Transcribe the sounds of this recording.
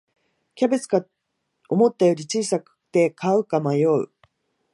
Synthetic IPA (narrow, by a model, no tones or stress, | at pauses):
kʲabe̞t͡sɨ̥ɡa | o̞mo̞t̪ːajo̞ːɾʲit͡ɕiːsakɯ̥t̪e̞kaɯ̟kamajo̞ɯ̟̰